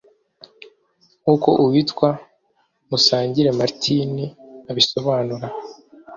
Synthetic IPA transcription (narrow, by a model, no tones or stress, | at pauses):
ŋuko̞ʔuwitkwa | musaːɲɟiɾe̞maɾtʰiniaβiso̞βaːnuɾa